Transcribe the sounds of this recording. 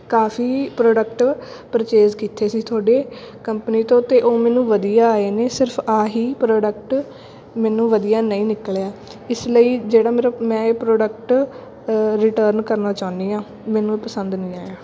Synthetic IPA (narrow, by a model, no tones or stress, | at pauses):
kaːfʰiːpɾoːɖəkʈpɾət͡ʃeːzkiːt̪ʰːeːsiːt̪ʰʊaːɖeː | kəmpniːt̪õːt̪ːeːʔoːmɛ̃ːnũːʋəd̪ijaːaːeːneːsɪɾpʰaːɦiːpɾoːɖək̚ʈ | mɛːnũːʋəd̪ijaːnəĩːnɪkljaː | ɪsləiːd͡ʒeːɽaːmeːɾamɛ̃ːepɾoːɖəkʈ | ɾɪʈəːɾnkəɾnaːt͡ʃaːʊnd̪iːãː | mɛːnũːepəsənd̪nĩːaːjaː